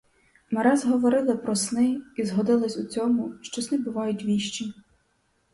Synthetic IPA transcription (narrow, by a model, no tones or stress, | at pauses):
mɐɾɛzɦɔʋɔɾɪlˠɪpɾɔsnɪizɦɔd̪ɪlˠɐsʲut͡sʲɔmʊʃt͡ʃɔsnɪbʊʋɑjʊtʲʋʲiʃt͡ʃi